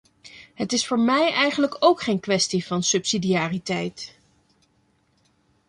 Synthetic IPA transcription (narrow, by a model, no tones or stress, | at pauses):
ɦətɪsfʊːɹmɛjɛjχənləkowkχejnkʋɛstivɑnsɵpsidijaːritɛjt